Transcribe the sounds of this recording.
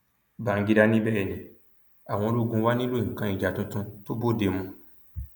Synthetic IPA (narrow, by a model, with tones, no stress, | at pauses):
bã˨˦ɡi˧ɾa˧nĩ˦bɛː˦˨nĩ˨ | a˨w̃ɔ̃˧lo˦ɡũ˧wa˦nĩ˦lo˦˨ŋ̩˨kã˧i˨d͡ʒa˨tũ˧tũ˧to˦bo˦˨de˧mũ˧